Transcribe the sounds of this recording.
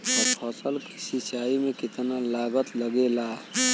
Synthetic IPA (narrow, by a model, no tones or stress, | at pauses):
t̪əɾpʰəsəlksit͡ʃaimekit̪nalaɡət̪ləɡela